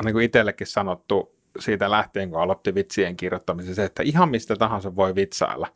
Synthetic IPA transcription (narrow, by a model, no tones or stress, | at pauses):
niːŋkuit̪elːekːissɑnot̪ːu | siːt̪ælæht̪eːŋkuɑlot̪ːiʋit̪sieŋkirjot̪ːɑmiseseet̪ːæihɑmmist̪æt̪ɑhɑ̃nseʋʋoiʋit̪sɑ̰ilːɑ̰